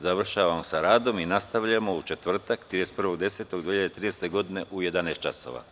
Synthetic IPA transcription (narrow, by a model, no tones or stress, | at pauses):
zaʋr̩ʃaːʋamosaɾaːd̪o̞minast̪aʋʎamo̞ut͡ʃe̞t̪ʋr̩t̪akt̪ɾid̪est̪pr̩ʋo̞ɡd̪e̞set̪oɡd̪ʋiiʎad̪et̪ɾiːneːst̪e̞ɡo̞d̪ine̞ʔuje̞d̪anaest̪̚t͡ʃa̰so̰ʋa̰